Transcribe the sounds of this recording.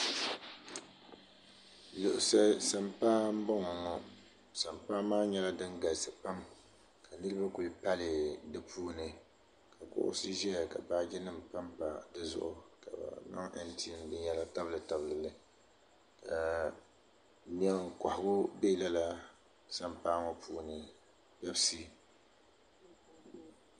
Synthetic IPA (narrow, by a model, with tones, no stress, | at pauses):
lʊ˨ʔʊ˨sa˦sa˦mpaː˦m̩˦bɔ˦ŋɔ˨ŋɔ˦ | sa˨mpaː˦maː˦ɲɛ˦la˦dɨ˦ŋɡa˨sɨ˨pa˦m | kʰa˨nɨ˦ɾɨ˦ba˦ku˨li˦pa˦lɨ˨dɨ˨pʰuː˦nɨ˨ | ka˨kʊ̰˦ʔʊ̰˦sɨ˦ʒɛ˦ja˨ka̰˨baː˦d͡ʒɛ˦nɨ˦m˨pa˦mpa˨dɨ˦zʊ̰˦ʔʊ˦ka̰˨ba̰˨na̰˦ŋa̰˦ntʰi˦ndɨ˦ɲɛ˦la˦ta˦blɨ˨ta˦bɨ˨lɨ˨lɨ˨ | kʰa˨ | mi˨ɛ˦ŋ˨ka˨hʊ˨ɡʊ˦be˦la˦la˦ | sa˦mpaː˦ŋɔ˦puː˦nɨ˨ | bɛ˦bsi˦